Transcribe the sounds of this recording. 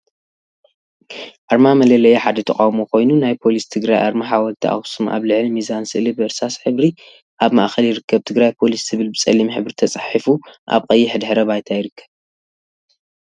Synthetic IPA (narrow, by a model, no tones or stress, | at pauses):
ʔaɾmamɐlɐlɐjeħad̪ɐt̪ʰɐχʼawmokʰo̞jnunajpʰo̞list̪ʰɨɡɾajʔa̰ɾmaħawɐlt̪ʰiʔa̰xsuma̰βlɨʕlimizansɨʔlibɨɨɾsasħɨβɾi | ʔaβmaʔxɐljɪɾɨkʰːɐβt̪ʰɨɡɾajpʰo̞list̪ʰɨβɨlbɨt͡sʼɐlːimħɨβɾit̪ʰɐt͡sʼaħifuʔa̰βkʼɐjːiħɨd̪ħɨɾɐβajt̪ʰajɪɾɨkʰːɐ̥β